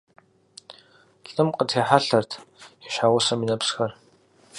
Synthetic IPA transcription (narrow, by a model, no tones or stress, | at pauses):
ɬʼɨmqətʰeːħaɬɐrtʰiʃħaːwʷʊsɐminɐpsxɐr